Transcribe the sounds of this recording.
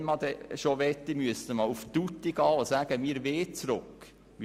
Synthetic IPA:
nmɑd̪ɛʃoʋɛt̪ːimyəst̪əmɑuft̪ut̪ːiɡ̥ɑːosæːɡ̥əmiəɾʋeːt͡sɾʊkː | m

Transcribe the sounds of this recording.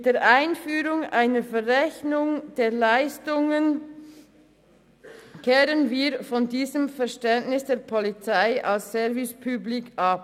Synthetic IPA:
d̥eːɾʔaɪnfyːɾʊŋʔaɪnəfɛʁʁɛçnʊŋd̥eːɐlaɪstʊŋən | kʰɛːɾənviːɾfɔndiːzəmfɛɐʃtɛntnɪsd̥eːɐpʰɔlit͡saɪʔalsːɛvɪspʰyblikʔap̚

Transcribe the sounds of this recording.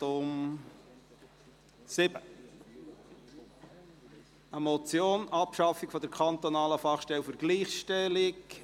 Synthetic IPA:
ʊm | sɪb̥ə | əmɔt͡sjoːnɑpʃɑfikfɔd̪əɾkʰɑnt̪onɑːləfɑχʃtɛlfəɾɡliːχʃtɛlɪk

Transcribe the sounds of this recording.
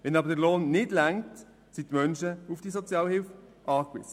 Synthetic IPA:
ʋɛnɑbəɾdəɾloːnːɪdlæŋt | sitmœnʃəufd̥isɔt͡sjɑːlhɪlfʔɑːkʋɪ̰sə̥

